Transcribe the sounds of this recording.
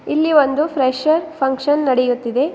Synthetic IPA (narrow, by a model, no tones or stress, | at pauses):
ilːiʋond̪upʰɾeʃɐɾpʰɐŋkʂɐnːɐɽejut̪ːid̪e̞